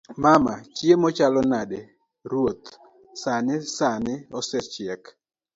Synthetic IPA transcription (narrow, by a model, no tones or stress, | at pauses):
mamat͡ʃiemɔt͡ʃalɔnade | ɾwot̪ | sanɪsanɪɔsɛt͡ʃɪɛk